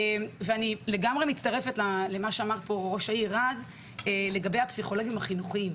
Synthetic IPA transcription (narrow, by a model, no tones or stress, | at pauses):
emveanile̞ɡamʁemitt͡staʁe̞fetlalemaʃeamaʁpo̞ʁo̞ʃaiʁaz | ele̞ɡabejapsiχo̞loɡimaχinuχiim